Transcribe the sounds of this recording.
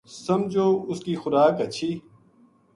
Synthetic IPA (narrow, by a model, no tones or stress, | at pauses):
sɐmd͡ʑoːʊskiːxʊɾaːkɐt͡ɕʰiː